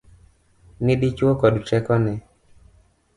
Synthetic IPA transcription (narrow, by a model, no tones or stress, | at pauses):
nɪdit͡ʃwokɔdt͡ʃɛkɔnɛ